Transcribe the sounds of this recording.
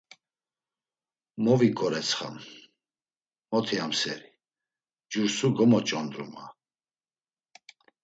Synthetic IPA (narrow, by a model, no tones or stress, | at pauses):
mɔvikʼɔɾɛt͡sʰχa̰m | mɔt̪ʰiamsɛ̰ɾi | d͡ʒuɾsuɡɔmɔt͡ʃʼɔnd̪ɾṵma